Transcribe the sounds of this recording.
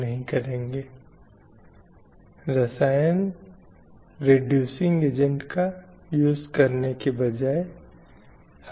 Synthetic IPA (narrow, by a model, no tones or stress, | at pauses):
nɐɦĩkɐɾẽːŋɡeː | ɾɐsaːjən | ɾeɖjuːsɪ̃ŋɡeːd͡ʒə̃ɳʈka | juːzkɐɾnekebɐd͡ʒaːe | h